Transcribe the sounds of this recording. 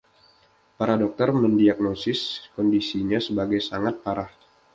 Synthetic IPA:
paɾadɔk̚t̪ərməndiaɡ̚nosɪskɔndisiɲasəbaɡajsaŋat̪̚paɾah

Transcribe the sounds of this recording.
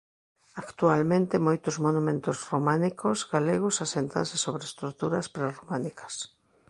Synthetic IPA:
akt̪ualmẽnt̪ɪmojt̪ʊzmonumẽnt̪ʊzromãnikozɡaleɣʊsasent̪a̰nsɪsoβɾest̪ɾukt̪uɾɐspɾaromanikɐ̥s

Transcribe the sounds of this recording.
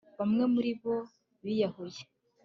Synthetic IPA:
βamŋe̞muɾiβo̞ | βijahoje̥

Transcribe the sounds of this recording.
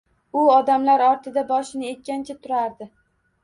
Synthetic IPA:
ʊɒd̪amlaɾɒɾt̪ʰɪd̪abɒʃɪnɪe̞t̪̚ʲkʲant͡ʃʰat̪ʰʊɾaɾd̪ɪ

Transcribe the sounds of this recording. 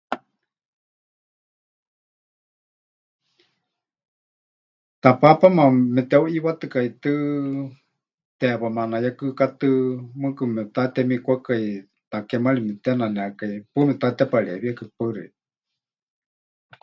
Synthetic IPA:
t̪apapamamɛt̪ɛuʔiwat̪ɨkait̪ɨ | t̪ɛpamanajakɨkat̪ɨmɨkɨmɛt̪at̪ɛmikʷakai | t̪akɛmaɺimɛt̪ɛnanɛakaipɨmɛt̪at̪ɛpaɺɛβiakɨpaɾɨ̰i

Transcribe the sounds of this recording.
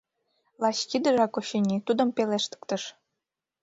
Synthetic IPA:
lˠɑɕkid̪ə̆ʒɑkoɕinʲit̪ud̪ɤ̆mpeleʃt̪ə̥kt̪ɤ̆ʃ

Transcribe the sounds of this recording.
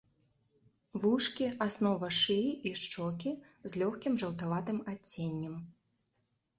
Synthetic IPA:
vuʂkʲiasnɔvɐʂɨiʂt͡ʂɔkʲi | zlʲɔxkʲimʐɐwt̪avat̪ɨmat͡sʲːenʲːɐm

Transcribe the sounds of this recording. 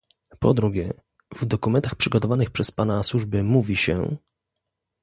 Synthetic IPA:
pɔd̪ɾuɡʲjɛ | vd̪ɔkumɛnt̪axpʂɘɡɔt̪ɔvanɘxpʂɛspanaswuʐbɘmuvʲiɕɛ̰

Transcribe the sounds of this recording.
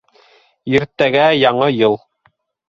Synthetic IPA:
iɾt̪ːæɡæjɑɴɤjɤlˠ

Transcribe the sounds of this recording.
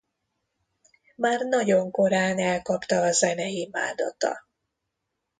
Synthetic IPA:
maːrnɒɟo̞ŋko̞ɾaːnɛlkɒpt̪ɒːzɛnɛima̰ːd̪ɒ̰t̪ɒ̰

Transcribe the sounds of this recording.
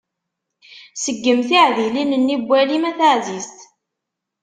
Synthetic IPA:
səɡːəmθiʕðilinənːibʷːælimæθaʕzist̪

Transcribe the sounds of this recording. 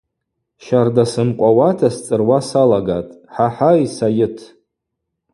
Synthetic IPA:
ʃardasɨmqʷʼawatʰast͡sʼɨrwasalaɡatʼħaħaisajɪtʰ

